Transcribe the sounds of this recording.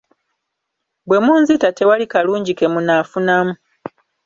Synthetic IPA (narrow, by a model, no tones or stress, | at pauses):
bwe̞muːnzitate̞walikaluːɲɟike̞munafunamu